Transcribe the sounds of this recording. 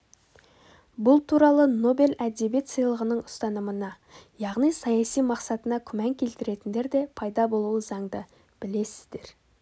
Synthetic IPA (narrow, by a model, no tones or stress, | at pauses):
bʊlˠt̪ʰuɾɑlˠəno̞be̞lʔæd̪e̞bije̞t̪sijlˠəʁənəɴʊst̪ɑnəmənɑ | jɑʁnijsɑjɑsijmɑqsɑt̪ənɑkʲʰʏmæŋkʲʰe̞lt̪ɪɾe̞t̪ɪnd̪e̞ɾd̪e̞pʰɑjd̪ɑbo̞lˠuwəzɑɴd̪ə | b̥ɪle̞sɪzd̪e̞ɾ